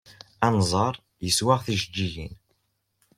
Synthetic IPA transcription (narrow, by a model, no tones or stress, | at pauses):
ænzˤəɾˤ | jəswaʁθiʒəd͡ʒːiʝin